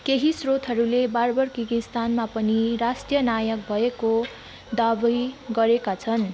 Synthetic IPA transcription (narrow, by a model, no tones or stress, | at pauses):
keɦisrot̪ɦʌɾulebarbʌrkikist̪anmapʌniɾasʈjʌnajʌk̚bʱʌeko | d̪abʌjɡʌɾekat͡sʰʌn